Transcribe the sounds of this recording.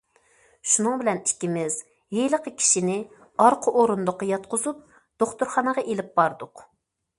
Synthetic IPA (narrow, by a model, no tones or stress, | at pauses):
ʃunɨŋbɪlɛnikʲːimɪz | ɦeləqəkʲʰi̥ʃinɪ | ɑɾqʰəʔoɾund̪ʊqːɑjɑt̪qʰʊzup̚ | d̪̥oχt̪uɾχɑnəʁɑʔelɪp̚bɑɾd̪ʊq